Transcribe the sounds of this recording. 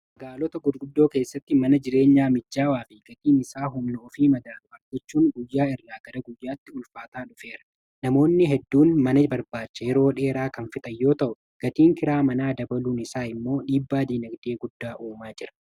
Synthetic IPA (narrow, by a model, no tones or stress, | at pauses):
mɐɡaːlɔt̪ɐɡʊdɡʊd̪ːo̞ːke̞ːsːɐt̪ːɪmɐnɐd͡ʒɪɾe̞ːɲːaːmɪd͡ʒːaːwaːfɪɡ̥ɐt̪ʼiːnɪsaːɦʊmnʊɔfiːmɐɡ̪ɐrʊɐd͡ʒɛt͡ʃːuːŋɡʊjːaːɪrːaːɡɐɾɐɡʊjːaːt̪ːɪʊlfaːt̪aːᶑʊfe̞ːɾɐ̥ | nɐmo̞ːnːɪɦɛd̪ːuːnmɐnɐbɐɾbaːt͡ʃːɐjɛɾo̞ːᶑe̞ːɾaːkɐnfɪt̪ʼɐjːo̞ːt̪ɐʔʊ | ɡ̥ɐt̪iːŋkɪɾaːmɐnaːd̪ɐbɐluːnɪsaːɪmːo̞ːᶑiːbːaːd̪iːnɐɡd̪e̞ːɡʊd̪ːaːʔuːmaːd͡ʒɪɾɐ̥